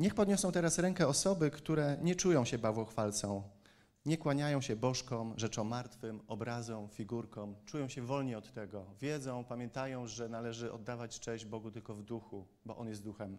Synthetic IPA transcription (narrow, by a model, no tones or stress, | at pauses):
ɲɛxpɔd̪ɲɔsɔ̃w̃t̪ɛɾasɾɛŋkɛɔsɔbɘkt̪uɾɛɲɛt͡ʂujɔ̃w̃ɕɛbavwɔxfalt̪sɔ̃w̃ | ɲɛkwaɲajɔ̃w̃ɕɛbɔʂkɔ̃wʐɛt͡ʂɔ̃w̃ːaɾt̪fɘmɔbɾazɔ̃wfʲiɡuɾkɔ̃w̃t͡ʂujɔ̃w̃ɕɛvɔlɲɛɔt̪ːɛɡɔvʲjɛd̪zɔ̃w̃pamʲjɛnt̪ajɔ̃w̃ʐɛnalɛʐɘɔ̰d̪ːavat͡ɕt͡ʂɛ̃ʑd͡ʑbɔɡut̪ɘlkɔvd̪uxu | bɔ̰ʔɔnjɛst̪d̪uxɛm